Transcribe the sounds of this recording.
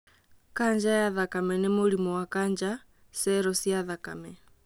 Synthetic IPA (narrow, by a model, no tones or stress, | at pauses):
kaɲd͡ʒajaðakamɛnemoɾimɔwakand͡ʒa | sɛɾɔsjaðaka̰mɛ